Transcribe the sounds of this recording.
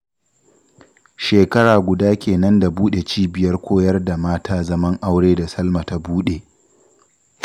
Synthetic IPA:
ʃeː˨kɐ˦ɽaː˨ɡʷʊ˨daː˦kʲeː˨nɐ˦nda˨buː˦ɗe˨t͡ʃiː˦bɪ˨jɐ˦rkʷʰoː˦jɐ˦rda˨maː˦tʰaː˦zɐ˦mɐ˦ŋʔa˦wɽeː˦da˨sɐ˦lma˨ta˦buː˦ɗe˨

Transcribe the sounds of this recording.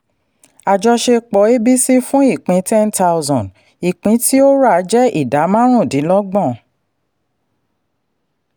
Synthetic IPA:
a˨d͡ʒɔ˧ʃe˧k͡pɔ˨˦e˦bi˦si˦fũ˦i˦˨k͡pĩ˨˦tɛ˦nta˧wzɔ̃˨d | i˨k͡pĩ˨˦ti˦o˦ɾa˨˦d͡ʒɛ˦i˦˨da˨˦mã˦ɾ̃ũ˦˨dĩ˨˦lɔ˦ɡ͡bɔ̃˦˨

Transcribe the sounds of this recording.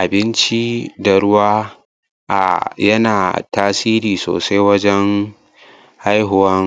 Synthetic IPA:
ʔa˨bɪ˦nt͡ʃi˦dɐ˨ɾʊ˦waː˦ | ʔa̰˨jɐ˦naː˨taː˦siː˦ɾiː˨so̰ː˨sa˦jwɐ˦d͡ʒɛ˦ŋ | ha˦jɦʊ˨wɐ˦ŋ

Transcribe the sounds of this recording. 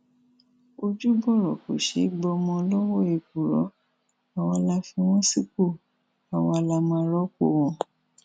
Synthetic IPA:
o˧d͡ʒu˦bɔ˦˨ɾɔ˨ko̰˨ʃḛ˨˦ɡ͡bɔ˧mɔ̃˧lɔ˦wɔ˦˨e˧˨k̚u˨ɾɔ˨˦ | a˨wa˧la˧fĩ˧w̃ɔ̃˦si˦˨ko˦˨ | a˨wa˧la˧mã˧˦ɾɔ˦ko˧˨wɔ̃˧˦

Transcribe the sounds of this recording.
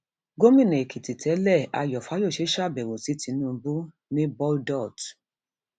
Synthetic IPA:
ɡo˦mĩ˦˨nẽ˨ki˨ti˨tʰɛ˨˦lɛ˦˨a̰˧jɔ˨fa˨˦jo˦˨ʃe˨˦ʃa˦˨bɛ˨wo˨si˨˦ti˨˧˦nũ˦˨˦bu˦ | nĩ˦bɔ˦ldɔ˦˨t

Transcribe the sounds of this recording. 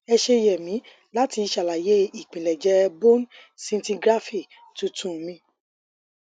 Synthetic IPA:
ɛ˧ʃe˧jɛ˨mĩ˨˦ | la˦ti˧ʃa˨la˨je˦i˦˨k͡pĩ˨lɛ˨d͡ʒɛ˨˦bo˦n | sĩ˦n˦tĩ˧ɡɾa˦fi˦˨ | tũ˦tũ˦˨˦mĩ˧˦

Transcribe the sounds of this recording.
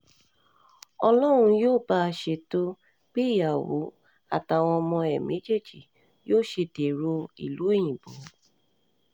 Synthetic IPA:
ɔ˧lɔ˦ɾ̃ũ˧joː˦˨ba˦˧ʃe˧to˦ | k͡pe˦i˦˨ja˨wo̰˨˦ | a̰˦˨ta˧˨w̃ɔ̃˧ɔ˧mɔ̃˧ɛ˨mẽ˨˦d͡ʒe˦˨d͡ʒi˨ | joː˦˨ʃe˧te˨ɾo˧ḭ˨lu˨˦e˦˨j̃ĩ˨bo˨

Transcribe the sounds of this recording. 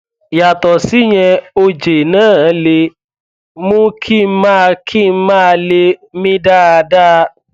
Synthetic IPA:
ja˨tɔ˨si˦ɲ̃ɛ̃˧o˧d͡ʒe˨nãː˦˨˦le˧ | mũ˦kʰi˦˨˦mãː˦˧kʰi˦˨m̩˦mãː˦˨˧le˧˦mĩ˦da˦a˧da˦

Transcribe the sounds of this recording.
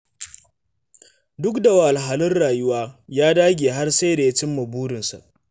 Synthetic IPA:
dʊ˦kda˨wa˨ʔa˨lɦa˨lɪ˦rɽaː˨jʊ˦waː˦jaː˦daː˦ɡʲeː˨ɦa˦rsa˦da˨ja˦t͡ʃɪ˦mːɐ˨buː˦ɽɪ˨nsa̰˨ʔ

